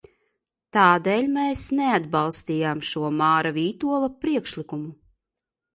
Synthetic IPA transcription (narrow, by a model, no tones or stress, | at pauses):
t̪aːd̪eːlʲmeːsnead̪balˠst̪iːjaːmʃuɔmaːɾaviːt̪uɔlˠapɾiɛkʃlikumu